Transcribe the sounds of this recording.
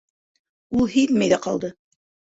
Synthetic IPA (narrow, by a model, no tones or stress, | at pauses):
ulˠhiðmæjðæqɑlˠd̪ɤ